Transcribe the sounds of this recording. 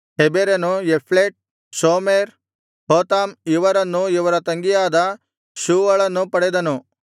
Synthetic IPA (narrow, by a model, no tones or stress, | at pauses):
ɦebeɾɐnujepʰleʈ̚ | soːmeːɾ | ɦoːt̪aːmiʋɐɾɐnːuiʋɐɾɐt̪ɐŋɡijaːd̪ɐ | ʃuːʋɐɭɐnːupɐɽɛd̪ɐnu